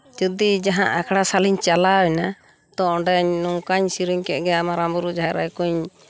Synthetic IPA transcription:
d͡ʒud̪id͡ʒaɦã̰ʔakʰɽasaliɲt͡ʃalawɛna | t̪ɔɔ̃ɖɛɲnuŋkaɲsiɾiɲkɛt̪̚ˀɡɛamaɾambuɾud͡ʒaɦɛɾa̰jkuɲ

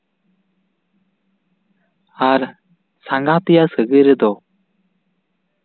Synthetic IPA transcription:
aɾ | saŋɡat̪ijasəɡɯɾəd̪ɔ

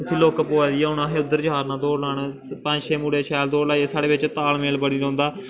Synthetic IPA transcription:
t̪ʰiːloːkəpːoːʋaːd̪iːɛːɦʊnãːɦeːʊd̪əɾd͡ʒɦaːɾnãːd̪oːɽlaːɳ | pə̃ɲd͡ʒʃʰeːmuːɽeːʃʰɛːld̪oːɽlaːeːsaːɽeːʋɪt͡ʃt̪aːlmeːlbəɽiːɾõːnd̪aː

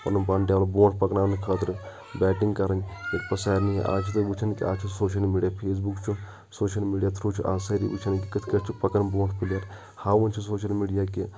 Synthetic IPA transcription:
pɐ̰nupaːɳʈʲjaːʋlɐbõːʈʰpɐknaːnkʰəːt̪ɾɨ | bɛːʈiŋɡkɐɾɐnek̚pɐsaːɾniiʔa̰ːt͡ʃʰit̪ɨʋut͡ʃʰɐnkia̰ːt͡ʃʰisoːʃ̬ɐlmiːɖijaːpʰeːs̬bukt͡ʃʰu | soːʃɐlmiːɖijaːt̪ʰɾuːt͡ʃʰuʔa̰ːsɐɾḭʋut͡ʃʰɐnkikɨt̪ʰkəʈt͡ʃʰupɐkɐnbõːʈʰpilaɾ | haːɐnt͡ʃʰusoːʃɐlmiːɖijaːki

